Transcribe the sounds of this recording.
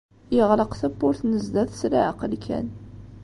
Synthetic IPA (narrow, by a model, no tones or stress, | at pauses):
jəʁləqθæbːʊɾθnəzd̪æθsɾaʕəqəlkʰæ̰n